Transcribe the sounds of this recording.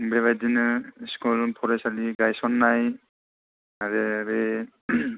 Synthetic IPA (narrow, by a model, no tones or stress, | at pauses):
beβajdinɯskɔlpʰɔɾejsaliɡajsɔnːaj | aɾeɾe